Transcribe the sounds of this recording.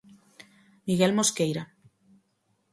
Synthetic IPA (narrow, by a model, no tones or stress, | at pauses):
miɣelmoskejɾa